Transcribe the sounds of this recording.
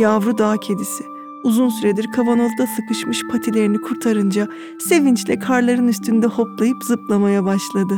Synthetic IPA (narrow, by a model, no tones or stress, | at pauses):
javɾud̪aːcʰe̞d̪isɪ | uzunsyɾed̪iɾkʰavano̞vd̪asɯkɯʃmɯʃpʰat̪ʰilʲe̞ɾinikʰuɾt̪ʰaɾɯnd͡ʒa | se̞vint͡ʃlʲɛkʰaɾlˠaɾɯnyst̪ʰynd̪ɛho̞plˠajɯpzɯplˠamajabaʃlˠad̪ɯ